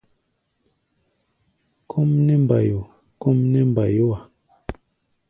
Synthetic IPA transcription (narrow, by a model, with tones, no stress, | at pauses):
kʰo˦mnɛ˦m˨ba˨jo˨ | ko˦mnɛ˦m˨ba˨jo˦a˨